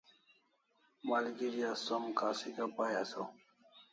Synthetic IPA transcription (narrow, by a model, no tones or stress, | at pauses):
maːliɡiɾijasomkaːsikapaːjaso